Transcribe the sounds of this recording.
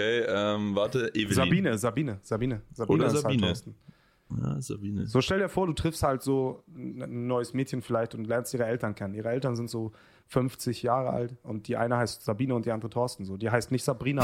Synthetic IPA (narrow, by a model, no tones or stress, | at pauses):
eːɛmvaːɐtəʔevzabiːnəzabiːnəz̥abiːnəz̥abːnəashalːtɔɐstn̩ | a̰za̰biːnəz̥oːʃtɛldiːɐfoːɐduːtʁ̥ɪfsthaltz̥oː | n̩ːɔʏəsmɛːtçən̩fɪlaɪçtʊntlɛɐnstiːʁəɛltɐnkʰɛnəniːʁəɛltɐnzɪntz̥oː | fʏnft͡sɪçjaːʁəʔa̰ltʔʊnt̚d̥iːʔa̰ɪnəhaɪstz̥abiːnəʊnt̚d̥iːandəʁətʰɔɐstn̩zoːdiːɦaɪstnɪçtz̥abʁiːna